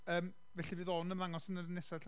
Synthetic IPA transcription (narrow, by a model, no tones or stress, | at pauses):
əːm | vɛɬivɨːðonəmlaŋɔsənərnːɛsḁ